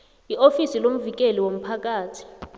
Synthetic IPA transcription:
iʔofisilom̩vik̬ɛliwom̩pʰak̬ʼaːtʰi̥

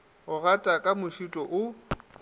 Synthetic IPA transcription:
ʊɣatʼakʼamʊʃutʼɔʔʊ

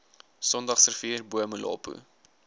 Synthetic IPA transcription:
sɔndɐχsərfiːrbuəmulɑ̰ːpṵ

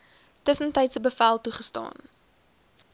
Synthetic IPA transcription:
təsəntəjtsəbəfælˠtuχəstɑ̰ːn

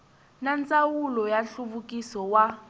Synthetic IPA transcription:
nant͡sʼawulɔjaɬuβukʼisɔwa

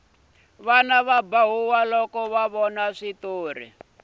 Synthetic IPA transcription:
βanaβabaɦuwalɔkɔβaβɔnaʂit̪oːrḭ

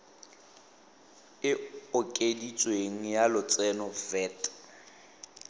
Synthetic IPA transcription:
ɪʊkʼedit͡sʼweŋ̩jalʊt͡sʼɛnɔfɛːtʼ

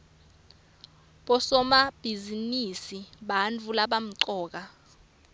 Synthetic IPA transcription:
ɓɔsɔmab̥ʱizinisiɓant͡fulaɓam̩ǀɔːk̬a

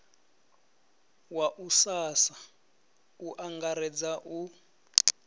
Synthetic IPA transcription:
waʔusasa | uʔaŋɡaɾɛd͡zaʔu

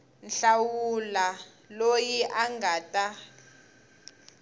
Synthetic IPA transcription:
nɬawula | lojiʔaŋɡaːtʼa

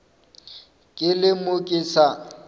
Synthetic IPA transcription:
kʼɪlɪmʊkʼisa

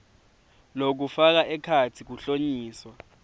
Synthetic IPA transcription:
lok̬ufak̬aʔɛkʰatʰik̬uɬoɲiːswa

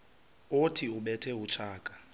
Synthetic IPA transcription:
otʰiuɓɛtʰɛɦut͡ʃʰaːkʼḁ

